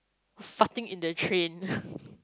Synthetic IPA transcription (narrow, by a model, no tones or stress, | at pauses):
fatɪ̃ŋɪ̃ndətʰɹẽn